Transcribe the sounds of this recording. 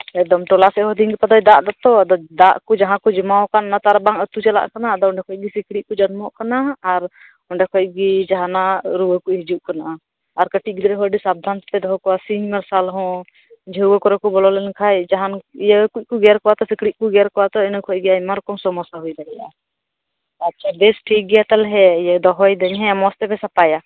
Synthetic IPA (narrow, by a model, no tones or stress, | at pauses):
ɛk̚d̪ɔmʈɔlasɛɦɔd̪iŋɡipad̪ɔjd̪aʔd̪at̪ɔd̪ɔd̪aʔkɔd͡ʒaɦãkɔd͡ʒɛmawkanːat̪aɾbaŋət̪ut͡ʃɛla̰ʔkanad̪ɔɔɳɖɛkʰɔc̚ɡisikɽiʔ̚kɔd͡ʒənmɔʔkanaːɾ | ɔɳɖɛkʰɔc̚ɡid͡ʒaɦanaɾuwəkuɦid͡ʒuʔkanaʔaː | ɾkəʈiʔ̚ˀɡid̪ɾɛɦɔɖisab̚d̪ʱant̪t̪ɛd̪ɔɦɔkɔwasiɲmɛɾsalɦɔ̃ | d͡ʒəuwəkɔɾɔkɔbɔlɔlɛnkʰajd͡ʒaɦanijəkuc̚kuɡɛɾkɔwat̪ɔsikɽiʔ̚kuɡɛɾkɔwat̪ɔinəkʰɔc̚ˀɡɛajmaɾɔkɔmsɔmɔsaɦujd̪aɡɛja | at͡ʃʰad̪ɛsʈʰik̚ɡɛjat̪alɦɛijəd̪ɔɦɔjd̪əɲɦɛmɔst̪ɛbɛsapaja